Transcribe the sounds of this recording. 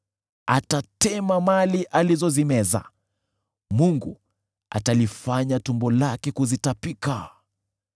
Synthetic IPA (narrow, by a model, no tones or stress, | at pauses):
atatɛmamaliʔalizɔzimɛza̰ | muŋɡu | a̰talifaɲatumbɔlakɛkuzitapika